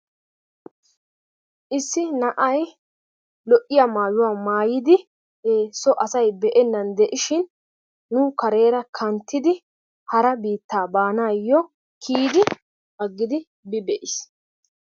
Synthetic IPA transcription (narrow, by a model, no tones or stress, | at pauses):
ʔɪsːɪnɐʔɐj | lɔʔɪjamaːjʊwaːmaːjɪd̪ɪ | heːsːɔʔɐsɐjbɛʔɛnːɐnd̪ɛʔɪʃɪnː | ʊkɐɾe̞ːɾɐkʰɐnt̪ːɪd̪ɪ | hɐɾɐbiːt̪ːaːbaːnaːjːɔ | kʰiːd̪ɪ | bɐɡːɪd̪ɪ | bɪbɛʔɪs